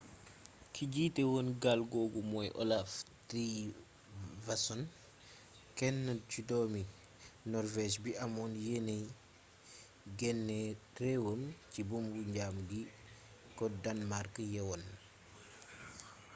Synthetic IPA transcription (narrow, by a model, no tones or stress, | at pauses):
kʰiɟiːtɛwonɡalɡɔɡumɔjʔɔ̰lafti | vasɔn | kɛnːət͡ʃudɔmi | nɔrvɛʃbiʔamɔnjenej | ɡɛnːɛtɾɛwəmcibumbuɲɟaːmɡi | kɔdanmaɾkəjɛwɔn